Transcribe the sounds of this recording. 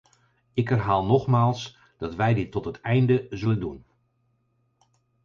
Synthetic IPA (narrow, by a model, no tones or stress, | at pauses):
ɪkɦɛrɦaːlˠnɔχmaːlˠs | d̥ɑtʋɛjdɪtːɔtɦətɛjndəzɵləndun